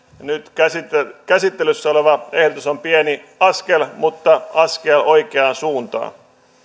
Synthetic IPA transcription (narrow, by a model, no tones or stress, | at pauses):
nyt̪æskæsit̪ːelysːæoleʋɑehdot̪usompieniɑskelmut̪ːɑɑskeloikeɑːnsuːnt̪ɑ̰ː